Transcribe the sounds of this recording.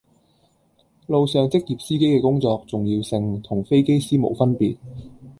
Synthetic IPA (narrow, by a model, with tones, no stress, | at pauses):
lo˨˧wsœː˨ŋt͡sɪ˥k̚jiː˨p̚siː˥ke˥jkɛː˧kʊ˥ŋt͡sɔː˨˧k̚t͡sʊ˨ŋjiː˧wsɪ˧ŋt̪ʰʊ˨˩ŋfe˥jke˥jsiː˥mo̰˨˩wfɐ˥npiː˨t̚